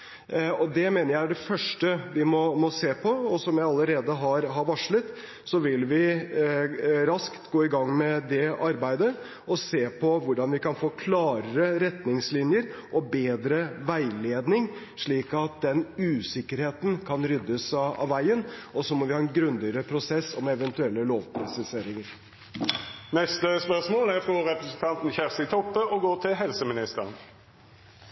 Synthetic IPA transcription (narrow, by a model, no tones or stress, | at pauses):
ɔd̪ɛmeːnəɾjæɪæɖɛfœʂʈəʋɪmɔmɔseːpʰɔɔsɔmjæɪɑlːəɾeːd̪əɦɑɾɦɑɾʋɑʂɭət̪ | sɔʋɪlʋɪ | ɾɑskt̪ɡoːɪɡɑŋːmɛd̪ɛɑɾbæɪd̪ə | ɔseːpʰɔʋʊɖɑnʋɪkɑnfoːkʰlɑːɾəɾəɾɛt̪nɪŋslɪnjəɾʔɔbeːd̪ɾəʋæɪleːd̪nɪŋ | ʂɭiːkɑt̪̚d̪ɛnʉːsɪkːəɾheːt̪n̩kʰɑnɾʏd̪ːəsɑ̰ʋæɪənɔsɔmɔʋɪhɑːɛnɡɾʉnd̪ɪəɾəpʰɾʊsɛsːɔmɛʋɛnt̪ʉɛlːəloːʋpʰɾɑsəseːɾɪŋəɾ | nɛst̪əspœʁʂmoːlæɾfɔɾɛpɾəsn̩t̪ʰɑnt̪n̩çæʁsɪt̪ʰɔpːəʔɔɡoːt̪ʰɪlɦɛlsəmɪnɪst̪əʁən